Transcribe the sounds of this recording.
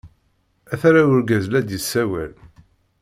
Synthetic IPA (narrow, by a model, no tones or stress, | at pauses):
æθɾawʊɾɡæzlæd̪jisːæwæ̰l